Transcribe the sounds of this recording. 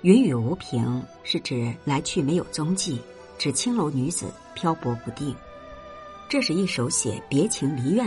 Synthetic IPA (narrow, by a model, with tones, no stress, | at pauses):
y˧˥ny˨˩u˧˥pʰi˧˥ŋ | ʂɻ̩˥˩ʈ͡ʂɻ̩˨˩la˧˥ɪt͡ɕʰy˥˩me˧˥ɪjo˨˩ʊt͡sʊ˥ŋt͡ɕi˥˩ | ʈ͡ʂɻ̩˨˩t͡ɕʰi˥ŋlo˧˥ʊny˧˥d͡zɹ̩̰˨˩˦ | pʰjɑ˥ʊpwɔ˧˥pu˧˥t̪i˥˩ŋ | ʈ͡ʂɤ˥˧ʂɻ̩˥˧i˥˩ʂo˧˥ʊɕjɛ̰˨˩pjɛ˧˥t͡ɕʰi˧˥ŋli˧˥ɥɛ˥˩